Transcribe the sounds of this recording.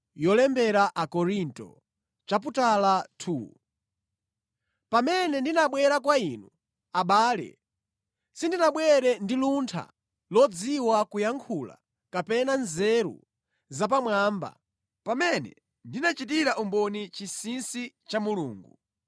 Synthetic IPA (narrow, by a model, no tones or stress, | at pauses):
jɔlɛmbɛɾaʔakɔɾintɔ̰ | t͡ʃap̬utalatʰu | pamɛnɛndinaɓwɛɾakwainu | aɓaːlɛ̰ | sindinaɓwɛɾɛndiluntʰa̰ | lɔd͡ziwakujaŋkʰula̰ | kapɛnanzɛɾṵ | zap̬amwaːmba̰ | pamɛnɛ̰ | ndinat͡ʃitiɾaʔumbɔnit͡ʃisinsi | t͡ʃamuluːŋɡu